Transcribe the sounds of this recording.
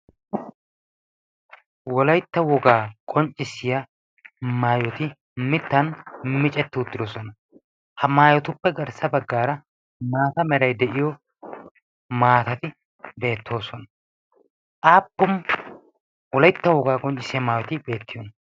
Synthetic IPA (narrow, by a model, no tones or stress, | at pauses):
wɔlɐjt̪ːɐwɔɡaːkʼɔnt͡ʃʼɪsɪjɐ | maːjɔt̪ɪ | mɪt̪ːɐnmɪt͡ʃʼɛt̪ːɪʊt̪ːɪd̪osɔnɐ | hɐmaːjɔt̪ʊpːɛɡɐɾsɐbɐɡːaːɾɐ | maːt̪ɐmɛɾɐjd̪ɛʔɪjɔ | maːt̪ɐt̪ɪ | be̞ːt̪ːo̞ːsɔnɐ | ʔaːpːʊm | wɔlɐjt̪ːɐwɔɡaːkʼɔnt͡ʃʼɪsɪjɐmaːjɔt̪ɪbe̞ːt̪ːɪjonɐ